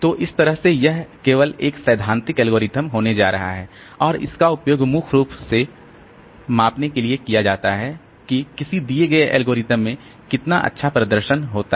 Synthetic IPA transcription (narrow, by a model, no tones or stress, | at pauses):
t̪oːʔɪst̪ɐɾəɦsejɛɦkeːʋəleːksɐːd̪ʱãːnt̪ɪkɛːlɡoːɾɪt̪əmɦoːned͡ʒa̰ːɾɐ̰ɦa̰ɦɛː | ɔːɾɪ̰skaʊpjoːɡmʊkʰɾuːpse | maːpnekeliekijad͡ʒaːt̪aɦɛ | kikɪsid̪ieɡɐeʔɛ̰ːlɡoːɾɪt̪əmːẽ | kɪt̪naʔɐ̰tːʃʰapɾɐd̪əɾʃənɦoːt̪a